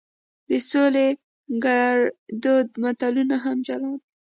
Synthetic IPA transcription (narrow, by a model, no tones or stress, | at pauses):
d̪əsole | ɡaɽd̪od̪mat̪alunaɦamd͡ʒaɾɑd̪̚